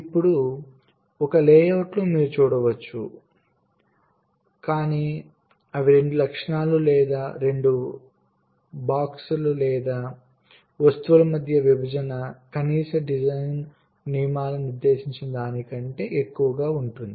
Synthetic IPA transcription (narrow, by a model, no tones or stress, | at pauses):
ipːuɽu | ɔkɐlɛːjɐːʈluːmiːɾut͡ʃuːɽɐʋɐt͡ʃːṵ | kaːniː | ɐʋiɾe̞ɳɖulɐkʂɳaːlulɛːd̪aːɾe̞ɳɖu | baːksululɛːd̪aː | ʋɐst̪uʋulɐmɐd̪ʱjɐʋibʱɐd͡ʒɐnɐkɐniːsɐɖid͡ʒɐjnː | imaːlɐniɾd̪e̞ːʃiɲt͡ʃinɐd̪aːnikɐɳʈe̞ːekːuʋɐɡaːuɳʈund̪i